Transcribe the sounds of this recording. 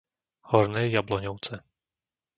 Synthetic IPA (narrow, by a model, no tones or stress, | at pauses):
hɔɾnɛːjablɔɲɔʊt͡sɛ